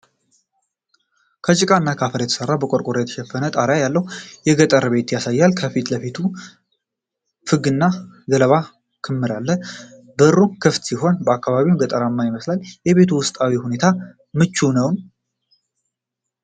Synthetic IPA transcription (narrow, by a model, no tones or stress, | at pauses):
kʰət͡ʃʼɪkʼaɨnːakʰafəɾjɛt̪ʰə̥sərːabəkʼoɾkʼoɾjɛt̪ʰə̥ʃɛfːənət̪ʼaɾjajalːəhujɛɡət̪ʼəɾəβe̞t̪jasajːalkʰəfit̪ləfit̪ʰu | fɨɡɨnːaɡələβa | kʰɨmːɨɾalːə | bɨrːukʰɨft̪siho̞nbəakʰːaβaβimɡət̪ʼəɾamːajiməslaljɛβe̞t̪ʰuwʊst̪ʼawihune̞t̪ʰa | mɨt͡ʃːunəwn